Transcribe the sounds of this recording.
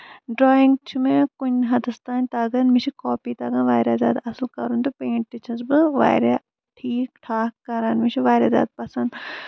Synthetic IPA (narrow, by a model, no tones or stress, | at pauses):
ɖɾoːiŋɡt͡ʃʰumẽkunʲɦɐd̪ɨst̪aːnʲt̪aːɡɐnmit͡ʃʰikoːpiːt̪aːɡɐnʋaːjɾaːzʲa̰ːd̪ɐslkɐ̰ɾunt̪upẽːɳʈʈ̪it͡ʃʰɐzbɨʋa̰ːɾa | ʈʰiːkʈʰaːkkːɐɾaːnmit͡ʃʰiʋaːɾʲaːzʲa̰ːd̪̚pɐsɐnd̪